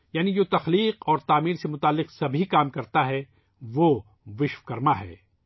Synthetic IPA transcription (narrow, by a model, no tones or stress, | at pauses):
jaːnid͡ʒoːt̪ɐxliːqɔːɾt̪aːmiːɾsemʊt̪aːlːɪqsɐbʱikaːmkɐɾt̪aɦɛ | ʋoː | ʋɪʃʋkɐɾmaɦɛ̰ː